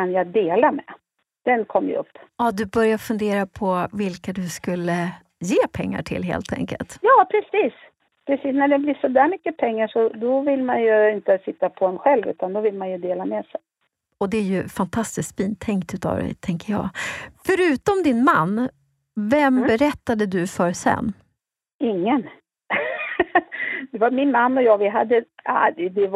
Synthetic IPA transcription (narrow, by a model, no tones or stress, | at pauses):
anjad̪eːlamɛ | d̪̥ɛnkʰɔmːjə̰ɵ̰pːɑd̪ɵbœɾjafɵnd̪eːɾapʰɔvɪlkad̪ɵskɵlːə | jeːpʰɛŋːa̰ʈʰɪ̰lɦḛːlt̪ʰɛ̰ŋkə̰lt̪jɑːpʰɾɛsiːs | pʰɾɛsiːsnæɖɛblɪsʂɔd̪æːɾmʏkːəpʰɛŋːaʂɔd̪ɔvɪlmanjɵɪnt̪əsɪt̪ːapʰɔɛnɧɛlvʉ̟ːt̪and̪ɔvɪlmanjɵd̪eːlamɛsɛj | ɔd̪ɛæɾjɵfant̪ʰast̪ɪskpiːnt̪ʰɛŋkt̪ʉ̟ːt̪ɑ̰vd̪ɛ̰t̪ʰɛŋkəjɑ̰ːfœɾʉ̟ːt̪ɔmd̪ɪnma̰nː | vɛmbɛɾɛt̪ːad̪əd̪ɵfœɾsɛ̰nː | ɪŋːən | d̪ɛvaɾmɪnmanːɔjɑːɡvɪɦad̪ːəa̰ɛd̪ɛ